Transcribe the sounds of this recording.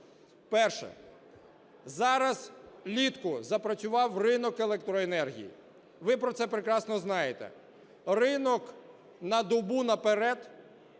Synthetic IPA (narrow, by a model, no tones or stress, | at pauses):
pɛrʃɛ̰ | zɑɾɐz̥lʲit̪kʊzɐpɾɐt͡sʲʊʋɑwrɪnɔkelˠek̚t̪ɾɔenɛrɦʲḭjḭ | ʋɪpɾɔt̪sɛpɾekɾɑsnɔznɑjet̪ɛ̰ | rɪnɔk | nɐd̪ɔbunɐpeɾɛd̪